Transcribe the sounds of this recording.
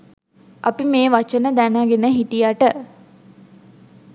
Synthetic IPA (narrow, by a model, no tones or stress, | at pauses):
ʔapimeːʋat͡ʃənəd̪ænaɡenəɦiʈijaʈə